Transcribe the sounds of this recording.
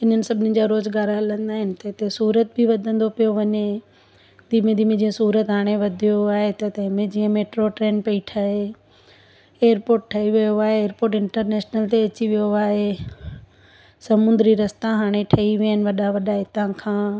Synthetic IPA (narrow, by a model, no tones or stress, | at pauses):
ɪn̤ənɪ̆sɐbʱɪnɪd͡ʑaɾoːzɡaːɾɦɐlə̃nd̪aːɦɪnɪ̆t̪ɐɦɪt̪esuːɾət̪̚bʱiʋɐd̪ʱə̃nd̪opijoʋɐɲe | d̪iːmẽd̪iːmẽd͡ʑiːə̃suːɾət̪ɦaːɽ̃eʋɐd̪ʱijoaːɦet̪ɐt̪ɐ̃ɦɪ̃mẽd͡ʑiːə̃meːʈɾoʈɾeːnpeiʈʰaɦe | eːəɾpoːɾʈ̚ʈʰːɐiʋijoaːɦeːɾpoːʈ̬ɪ̃ɳʈəɾnɛːʃnəlt̪eɐt͡ɕiʋijoaːɦe | sɐmʊ̃nd̪ɾiɾɐst̪aɦaːɽ̃eʈʰɐiʋiaɦɪnɪʋɐɗaʋɐɗaɦɪt̪ãkʰãː